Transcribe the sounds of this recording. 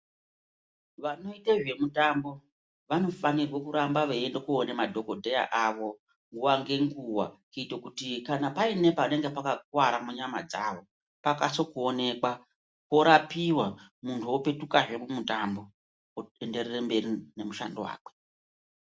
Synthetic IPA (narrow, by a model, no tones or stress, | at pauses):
ʋano̞iteʐe̞mutambo̞ | ʋano̞fanirwokuɾambaʋeendokuonemadʱo̞ko̞dʱeja̰ʔaʋo̞ | ŋɡuwaŋɡe̞ŋɡuwa̰kuitwokutikanapaine̞pane̞ŋɡepakak̚waɾamuɲama̰d͡za̰ʋo̞ | pakaso̞kuone̞kwa | kwo̞ɾapiwamuntʰuope̞tukaʐe̞mumutambo̞ | ende̞rerembe̞rine̞muʃa̰ndowa̰ːkwe̥